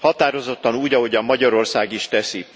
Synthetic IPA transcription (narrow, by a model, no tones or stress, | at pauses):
hɒt̪aːɾo̞zo̞t̪ːɒnuːɟɒɦo̞ɟɒmmɒɟɒɾo̞rsaːɡiʃt̪ɛsi